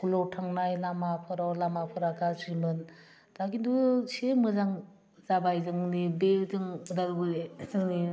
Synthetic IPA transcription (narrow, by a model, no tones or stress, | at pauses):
kulɔtʰaŋnajlamapʰɯɾawlamapʰɯɾakasimɯn | d̥akindusemɯzaŋ | zabajzɯŋnibezɯŋdaɾubɯezɯŋni